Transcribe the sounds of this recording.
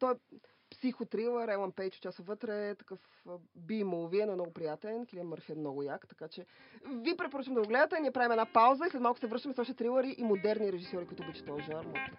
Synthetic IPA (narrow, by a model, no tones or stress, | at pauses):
t̪ɔɛ | psixot̪ɾilˠəɾɛlˠənpɛjt͡ʃo̥t̪t͡ʃʲasovɤt̪ɾɛt̪ɐ̥kɤf | bimolˠviɛnɔɛnɔɡʊpɾijat̪ɛlɛnkliəməɾfiət̪nɔɡʊjakt̪ɐkat͡ʃɛvipɾɛtp̬oɾɤt͡ʃəmd̪ɐoɡlɛd̪ət̪ɛniɛpɾavʲimɛnapawzəislɛt̪malˠkʊ̥sɛvɾɤʃt̪əmɛsɔʃt̪ɛt̪ɾilˠəɾiʔimod̪ɛɾniɾɛʒisjɔɾikuit̪ʊbit͡ʃɛ̥t̪ɔjʒaɾma̰lˠkt̪ɛ